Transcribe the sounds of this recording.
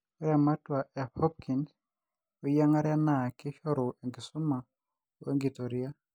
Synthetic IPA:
ɔ˦ɾja˨ma˦twa˨ʔa˨hɔ˦p̚kʰi˨nd | o˦ja˦ŋa˦ɾja˦na˨ki˦ʃɔ˦ɾo˨e˨ŋɡi˨su˦ma˨ | we˦ŋɡi˨tɔ˨ɾi˦a˦

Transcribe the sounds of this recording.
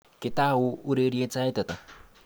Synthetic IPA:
kɪ˨ta˦˨wʊ˦ʊ˦ɾe˦ɾi˦e˦t͡sa˦e˦ta˨ta˨

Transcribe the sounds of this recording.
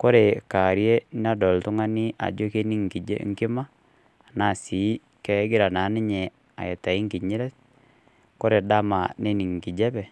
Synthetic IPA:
ko˦ɾe˨ka˨ɾje˦n˦a˦dɔ˨ltʊ˦ŋa˦ni˦ʔa̰˨d͡ʒo˦ke˦ni˦ŋki˨d͡ʒḛ˦ŋkɪ˦ma˦˨ | na˨si˨˦ | kɛ˦ɡɪ˦ɾa˨na˨˦nɪ˦ɲɛ˨ | a̰˨je˨ta˨i˦ŋki˨ɲi˦ɾɛ˦t | ko˦ɾe˨da˦ma˨ne˦ni˨ŋ˨ki˨d͡ʒɛ˦bɛ˨

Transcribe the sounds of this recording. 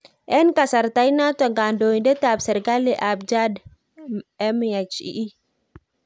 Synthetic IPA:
ʔɛ˦nka˨sa˨ɾta˦jna˦tɔ˨ŋɡa˨ndo˨i˨ndɛ˦ta˨bsɛ˨ɾɡa˦li˦˨ʔa˨bd͡ʒa˦d | ɛ˦mja˨t͡ʃḭ˦ʔi˦

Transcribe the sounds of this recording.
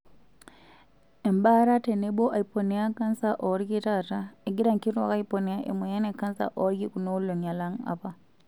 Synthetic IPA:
e˨mba˦ɾa˦te˨ne˦bo˦ʔa˨i˨po˨ni˦a˦ka˦nsa˦ʔo˨˦ɾi˦ki˦ta˦tae˨ɡi˦ɾa˦˨ŋki˦twa̰˨ka˦ipo˨ni˨a˦ʔḛ˨mwe˨ja˦ne˨kːa˦nsa̰˦ʔo˦ɾki˦ku˨no˦lo˨ɲa˨la˦ŋa̰pa˦

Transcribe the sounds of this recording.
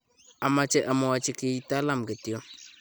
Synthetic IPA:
a˨ma˨t͡ʃɛ˦ʔa˨ma˨wa˨t͡ʃi˦ki˦i˦ta˦la˦˨mɡə˨ti˨jo˦

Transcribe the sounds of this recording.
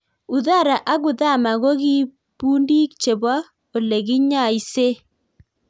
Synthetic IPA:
u˨ða˦˨ɾa˨ʔa˦ɣʊ˨ða˦˨ma˨ɣo˦ɣi˦ | puː˦ndi˦k̚t͡ʃe˨ba˦ | o˨le˨ɣi˦ɲa˦˨i˦se˦

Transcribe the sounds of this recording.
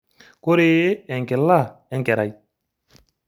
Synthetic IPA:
ko˦ɾeː˦ɛ˨ŋkɪ˨lːa˦˨ɛ˦ŋkɛ˨ɾa˨j

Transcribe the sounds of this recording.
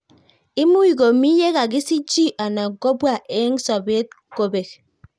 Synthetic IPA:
i˦mu˦ji˨ɡo˨mi˦je˦ɣa˨k̬i˦si˦t͡ʃi˦ʔa˨na˨ɡo˦bwa˦˨ʔe˦ŋ̩˦sɔ˨be˦t̚ | ko˨be˨k̚

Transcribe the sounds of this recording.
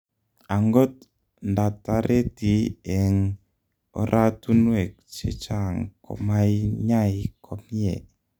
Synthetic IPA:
a˨ŋɡo˦t̚ | nda˨ta˨ɾʔe˦ti˨ɛ˨ŋ | ɔ̰˦ɾʔa˦tu˦nwɛ˨k̚t͡ʃḛ˦t͡ʃa˦ŋkɔ̰˨ma˦jɲa˦ji˨kʰɔ˨mi˦ḛ˨

